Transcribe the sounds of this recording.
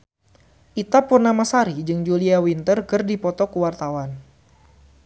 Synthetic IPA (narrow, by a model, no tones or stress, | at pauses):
ʔit̪apurnamasaɾid͡ʒɨŋd͡ʒuliawint̪ərkɨrdipɔt̪ɔkuwart̪awan